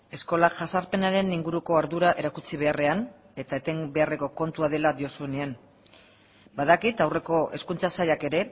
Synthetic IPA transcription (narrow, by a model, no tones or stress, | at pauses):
e̞sko̞laʝasaɾpe̞naɾe̞niŋɡuɾuko̞aɾðuɾaʔe̞ɾakut͡siβ̞e̞are̞an | e̞t̪aet̪e̞mbe̞are̞ko̞ko̞nt̪uað̞e̞lad̪io̞sue̞ne̞an | baðakit̪awre̞ko̞ʔe̞skunt͡sasajake̞ɾe̞